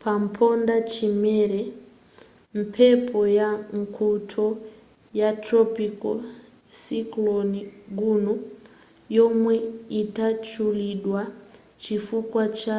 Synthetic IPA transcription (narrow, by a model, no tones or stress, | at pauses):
pampʰo̞ndat͡ʃimeɾe | m̩pʰepʰo̞jaŋkʰutʰo | jatropiko̰ | sikloniɡunu | jomweitat͡ʃuliɗwa | t͡ʃifukwat͡ʃa